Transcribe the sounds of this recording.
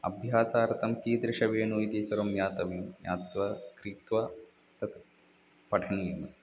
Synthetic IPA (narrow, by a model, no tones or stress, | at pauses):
ɐ̰bʱjaːsaːɾt̪ɐmkiːd̪ɾɪʃɐʋeːnujit̪isɐɾɐmjaːt̪ɐʋimja̰ːt̪ʋɐkɾiːt̪ʋɐ | t̪ɐt̪ | pɐʈʰɐɳiːms